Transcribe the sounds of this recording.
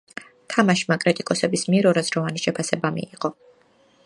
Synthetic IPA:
t̪ʰamaʃmakʼɾit̪ʼikʼɔsɛbismiɛɾɔɾazɾɔvaniʃɛpʰasɛbamḭːʁɔ

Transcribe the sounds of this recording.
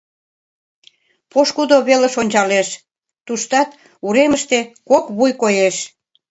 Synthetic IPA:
poʃkud̪oβeleʃonʲt͡ɕɑleʃ | t̪uʃt̪ɑt̪ | uɾeməʃt̪ekokβujkojeʃ

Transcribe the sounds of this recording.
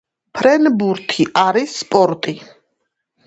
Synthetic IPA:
pʰɾɛnbuɾt̪ʰiʔaɾisːpʼɔɾt̪ʼi

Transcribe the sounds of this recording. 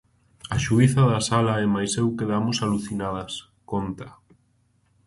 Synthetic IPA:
aʃuiθɐðasalaɛmajsewkeðamosaluθinað̞ɐs | kont̪ɐ

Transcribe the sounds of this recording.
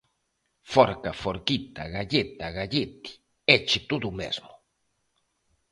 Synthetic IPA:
foɾkafoɾkit̪a̰ɣaʎet̪aɣaʎet̪i̥ | et͡ʃɪt̪uðumḛzmʊ

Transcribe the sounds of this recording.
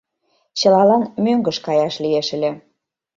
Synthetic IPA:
t͡ɕəlɑlɑnmøŋɡə̆ʃkɑjɑʃlieʃəlʲĕ

